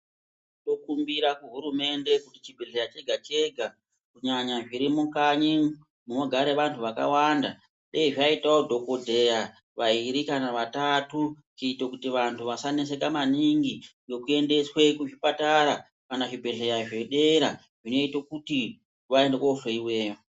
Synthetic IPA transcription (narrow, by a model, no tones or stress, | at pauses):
to̞kumbiɾakuɦuɾume̞nde̞kutit͡ʃibʱe̞ɮe̞jat͡ʃe̞ɡʱat͡ʃe̞ɡʱa | kuɲaɲaʐiɾimukaɲi | munoɡʱaɾeʋantʰuʋaka̰wanda | ɗeiʐaitaodʱo̞ko̞dʱe̞ja | ʋaiɾikanaʋatatu | t͡ʃeitokutiʋantʰuʋasanes̬e̞kamaniŋɡijo̞kue̞nde̞swe̞kuʐipataɾa | kanaʐibʱe̞ɮe̞jaʐeɗe̞ɾa | ʐino̞itokuti | ʋaendekofreiwe̞ːjo